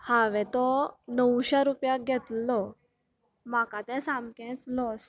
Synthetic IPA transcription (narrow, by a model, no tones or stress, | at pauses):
haʋɛ̃t̪ɔnəwɕaɾupjaɡʱɛt̪lɔ | makat̪ɛ̃sãmkɛ̃t͡slɔs